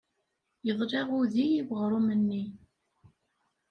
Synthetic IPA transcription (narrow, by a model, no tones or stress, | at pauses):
jəðˤɾɑʁuðijivʁɾˤumənːi